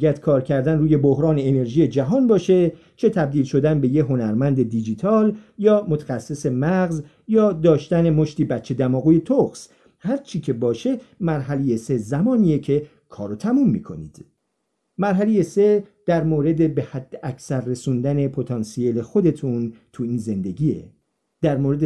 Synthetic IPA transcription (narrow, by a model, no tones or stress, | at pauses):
jæd̪̥kʰɒːɾcʰæɾd̪ænruːje̞bohɾɒːne̞ːne̞ɾʒiːje̞d͡ʒæɦɒːnbɒːʃe̞ | t͡ʃʰe̞t̪ʰæb̚d̪iːlʃo̞d̪ænbe̞jeɦo̞næɾmænd̪e̞d̪id͡ʒit̪ʰɒːljɒːmo̞t̪ʰæ̥xæsːese̞mæɣz | jɒːd̪ɒːʃt̪æne̞mo̞ʃt̪iːbæt͡ʃʰːe̞d̪æmɒːɣuːje̞t̪ʰoxs | hæɾt͡ʃʰiːcʰe̞bɒːʃe̞mæɾɦælejese̞zæmɒːniːje̞cʰe̞ | kʰɒːɾot̪ʰæmumːḭːkʰo̞̰nḭːd̪̥ | mæɾɦæle̞je̞se̞d̪̥æɾmoːɾe̞d̪e̞be̞hæd̪̥ːeʔæcʰsæɾːe̞suːnd̪æne̞pʰot̪ʰɒːnsiele̞xo̞d̪e̞t̪ʰunt̪ʰuiːnze̞nd̪e̞ɡiːe̞̰ | d̪̥æɾmoːɾe̞d̪e